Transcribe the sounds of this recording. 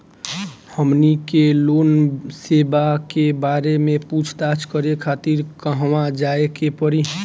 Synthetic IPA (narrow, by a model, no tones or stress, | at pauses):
həmnikeloːnseːbakebaːɾemẽput͡ʃʰt̪at͡ʃʰkəɾekʰaːt̪iɾkəɦəwad͡ʒaekepəɾi